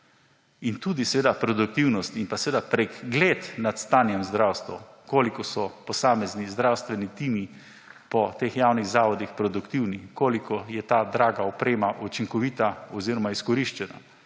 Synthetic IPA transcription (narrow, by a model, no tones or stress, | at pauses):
int̪uːd̪isɛʋeːd̪apɾɔd̪uk̚t̪iwnɔst̪inpasɛʋeːd̪apɾɛɡɡleːt̪nat̪st̪aːnjɛmzd̪ɾawst̪ʋukoːlikɔsɔpɔsaːmɛznizd̪ɾawst̪ʋɛnit̪iːmi | pɔt̪exjawniɣzaːʋɔd̪ixpɾɔd̪ukt̪iwnikoːlikɔjɛt̪aːd̪ɾaːɡaɔpɾeːmaʔut͡ʃiŋkɔʋiːt̪aɔziɾɔmaiskɔɾiʃt͡ʃɛna̰